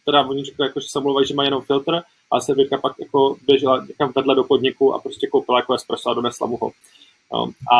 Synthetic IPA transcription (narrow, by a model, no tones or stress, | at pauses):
t̪ɛdavoɲɪrɛklɪjakoʒɛ̥sɛomlowvaiʒɛmajɛnomfɪlt̪ɾ̩ | ʔa̰sɛvɾɛt̪kapakjako̞bjɛʒɛlaɲɛkamvɛdlɛdo̞po̞dɲɪkuʔa̰pɾostcɛkowpɪlajakojɛspɾaslado̞nɛsla̰muɦo̰ | jo̰ːʔa